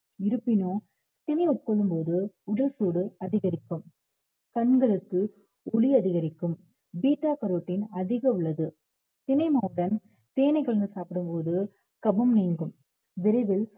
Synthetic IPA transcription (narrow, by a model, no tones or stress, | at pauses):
ɪɾɯpːɪnoː | t̪ɪnɐɪɔʈ̚kɔɭːɯmpoːðɯ | ʊɽɐlsuːɽɯɐðɪɣɐɾɪkːɯm | kɐnɡɐɭɯkːɯ | ʊlɪɐðɪɣɐɾɪkːɯm | biːʈːaːkɐɾoːʈːɪnɐðɪɣɐʊɭːɐðɯ | t̪ɪnɐɪmaːɯɽɐn | t̪eːnɐɪɣɐɭɯnd̪ɯsaːpɪɽɯmpoːðɯ | kɐbɐmniːŋɡɯm | ʋɪɾɐʋɪl